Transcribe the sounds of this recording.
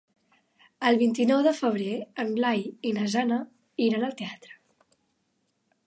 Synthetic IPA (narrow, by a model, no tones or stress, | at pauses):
əlˠβint̪inɔwðəfəβ̞ɾeənlajinəzanə | iɾənəlˠt̪eat̪ɾə̥